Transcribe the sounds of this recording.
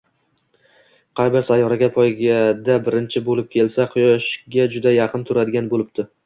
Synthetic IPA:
qʰɑjbɪɾsajːɒɾaɡʲapʰɒjɡʲad̪abɪɾɪnt͡ʃʰɪbolɪp̚kʲʰe̞lsaqʰʊjɒʃɡʲad͡ʒʊd̪ajɑqʰɨnt̪ʰʊɾad̪ɪɡʲanbolɪb̚t̪ʰɪ

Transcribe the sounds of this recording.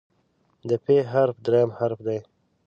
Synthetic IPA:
d̪əpʰeɦaɾfd̪ɾajamhaɾfd̪aj

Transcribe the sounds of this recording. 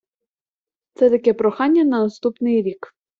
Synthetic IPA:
t̪sɛt̪ɐkɛpɾɔxɑnʲːɐnɐnɐst̪upnɪjɾʲik

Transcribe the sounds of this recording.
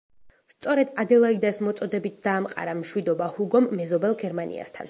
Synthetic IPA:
st̪sʼɔɾɛd̪ad̪ɛlˠaid̪asmɔt̪sʼɔd̪ɛbit̪̚ʰd̪̥aːmqʼa̰ɾamʃwid̪ɔbahuɡɔmːɛzɔbɛlˠɡɛɾmanḭa̰st̪ʰa̰n

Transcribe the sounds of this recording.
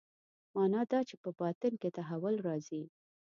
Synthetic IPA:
mɑnɑd̪ɑt͡ʃepəbɑt̪ənket̪aɦawʊlɾɑzi

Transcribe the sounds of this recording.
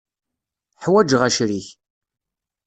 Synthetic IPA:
ħwæd͡ʒʁæʃɾiç

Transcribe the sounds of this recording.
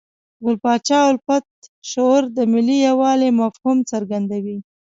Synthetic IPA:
ɣʊlpɑt͡ʃɑʊlfat̪̚ʃoɾd̪əmɪlːijawɑlemafhumt͡səɾɡand̪awi

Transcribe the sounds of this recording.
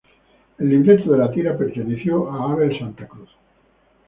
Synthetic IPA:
elːĩnd̪ent̪oðelat̪iɾapeɾt̪eneθjoʔaaβelsant̪akɾuθ

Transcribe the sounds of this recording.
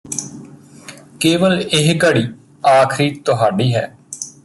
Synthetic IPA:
keːʋəlɪɦɡəɽiː | aːkʰɾiːt̪ʊɦaːɖiːɦɛ̰ː

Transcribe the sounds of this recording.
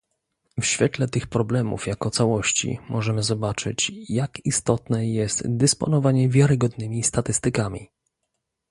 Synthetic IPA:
fɕfʲjɛt̪lɛt̪ɘxpɾɔblɛmṵfjakɔt̪sawɔɕt͡ɕḭmʔɔʐɛmɘzɔbat͡ʂɘ̰t͡ɕjakist̪ɔt̪nɛjɛst̪d̪ɛspɔ̰nɔvaɲɛvʲjaɾɘɡɔd̪nɘmʲist̪at̪ɘst̪ɘkamʲḭ

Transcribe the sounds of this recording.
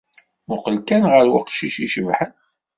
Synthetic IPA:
mʊqəlkænʁəɾwəqʃiʃiʃəvħən

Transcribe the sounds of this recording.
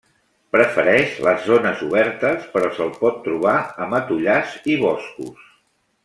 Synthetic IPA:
pɾəfəɾɛʃləzːonəzuβ̞ɛɾt̪əspəɾɔsəlˠpɔt̪ːɾuβ̞aəmət̪uʎaziβɔskṵs

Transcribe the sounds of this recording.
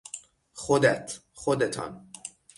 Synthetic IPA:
χod̪æt̪ʰ | χod̪et̪ʰɒ̰n

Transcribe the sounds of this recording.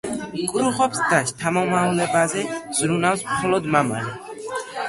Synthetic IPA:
kʼɾuχɔpsd̪aʃt̪ʰamɔmaulɛbazɛz̥ɾunawsmχɔlɔd̪mama̰lɛ

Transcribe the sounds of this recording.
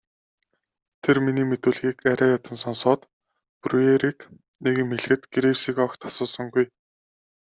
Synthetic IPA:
t̪ʰerminiːmet̪uːɮɣiːkæɾʲæːjat̪ə̆nsɔnsɔːt̪ | prueɾiːk | neɣɘ̆mːeɮ̆xɘ̆t̪ɡiɾewsiːkɔkt̪ʰḁsʊːsɞ̆ŋɡuj

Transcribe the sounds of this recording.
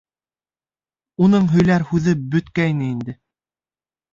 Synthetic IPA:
unɤɴɦɵ̆jlæɾhʉðɘbɵ̆t̪kæjnɘind̪ɘ

